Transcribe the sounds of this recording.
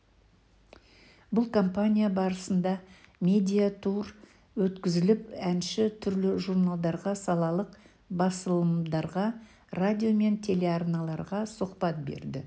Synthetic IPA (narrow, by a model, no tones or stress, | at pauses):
bʊlˠkʰo̞mpanʲijabɑɾəsənd̪ɑmʲe̞d̪ʲijat̪ʰuɾ | wɵt̪kʲɪzɪlɪpænʃɪt̪ʰʏɾlɪʒuɾnalˠd̪ɑɾʁɑsɑlˠɑlˠəq | bɑsəlˠəmd̪ɑɾʁɑ | rad̪ʲijome̞nt̪ʲʰe̞le̞arnɑlˠɑɾʁɑsʊqpɑt̪̚be̞̰ɾd̪ɪ